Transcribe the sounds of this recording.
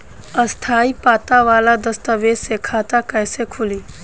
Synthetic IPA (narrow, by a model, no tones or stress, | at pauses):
əst̪ʰaːipaːt̪aʋaːlad̪ɐst̪əʋeːsekʰaːt̪akɛːsekʰʊliː